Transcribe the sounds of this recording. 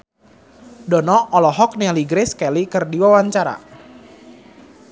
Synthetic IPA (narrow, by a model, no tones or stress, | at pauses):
dɔnɔʔɔlɔɦɔk̚naliɡɾeskɛlikɨrdiwawaɲt͡ʃaɾa̰